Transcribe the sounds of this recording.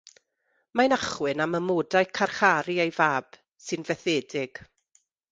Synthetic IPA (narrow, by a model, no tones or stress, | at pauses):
manaχwɨnaməmoːdajkʰarχaɾiejvaːb̥ | sɨnvɛθeːdɪɡ̥